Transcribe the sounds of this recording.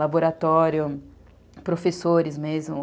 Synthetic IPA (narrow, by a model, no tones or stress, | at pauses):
aboɾat̪ɔɾjʊ | pɾofesoɾɪzmezmʊ